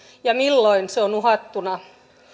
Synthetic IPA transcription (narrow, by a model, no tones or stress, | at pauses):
jɑmilːoinseonuhɑt̪ːunɑ